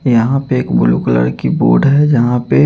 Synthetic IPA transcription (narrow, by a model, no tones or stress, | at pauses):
jɐɦãpeeːkbʊluklə̰ɾkibo̰ːɖɦɛd͡ʒɐɦãpe